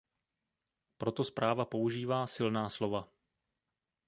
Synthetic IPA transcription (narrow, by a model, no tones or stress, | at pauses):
pɾo̞t̪o̞spɾaːvapo̞uʒiːvaːsɪlnaːslo̞va